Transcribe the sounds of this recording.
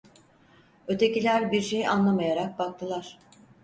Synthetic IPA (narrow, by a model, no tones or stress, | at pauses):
ø̞t̪ʰe̞cilʲæɾbiɾʃe̞jiʔanlˠamajaɾak̚bak̚t̪ʰɯlˠaɾ̥